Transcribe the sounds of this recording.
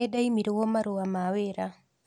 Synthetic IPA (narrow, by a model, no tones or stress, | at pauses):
edaimiɾewɔmaɾoamaweɾa